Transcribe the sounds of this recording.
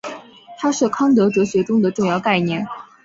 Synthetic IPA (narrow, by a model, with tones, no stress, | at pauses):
t̪ʰa˥ʂɻ̩˥˩kʰɑ˥ŋt̪̬ɤ˧˥ʈ͡ʂɤ˧˥ɕɥɛ˧˥ʈ͡ʂʊ˥ŋd̪ə˨ʈ͡ʂʊ˥˧ŋjɑ˥˧ʊka˥˧ɪnjɛ˥˩n